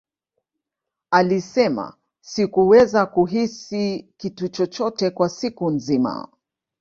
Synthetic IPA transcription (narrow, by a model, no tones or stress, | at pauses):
alisɛma̰ | sikuwɛzakuɦisikitut͡ʃɔt͡ʃɔtɛkwasikunzima̰